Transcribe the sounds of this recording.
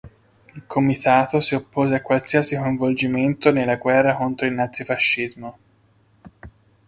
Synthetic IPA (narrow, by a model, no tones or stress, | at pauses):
ilkʰomit̪aːt̪osiopːoːzeakːwalsiɐsikoiɱvold͡ʒiment̪onelːaɡwɛrːakont̪ɾoilnat̪sifaʃːizmo